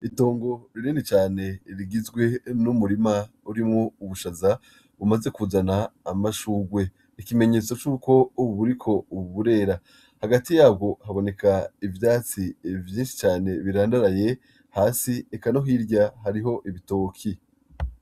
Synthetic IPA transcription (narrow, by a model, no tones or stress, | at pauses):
ito̞ːŋɡo̞ɾiɾiːndit͡ʃaːne̞ɾiɡizɡwe̞numuɾima | uɾimŋo̞uβuʃaza | βumaze̞kuzanaːmaʃuːɡwe̞ | ikime̞ɲe̞ːt͡so̞t͡ʃuːko̞uβuɾikʰo̞uβuβuɾe̞ːɾa | haɡatijaːbɡo̞haβo̞ne̞kaivjaːt͡sivjiːnʃi̥t͡ʃaːne̞βiɾaːndaɾaje̞ | haːsiekano̞ɦiɾɟaɦaɾiɦo̞ʔiβito̞ːkʰi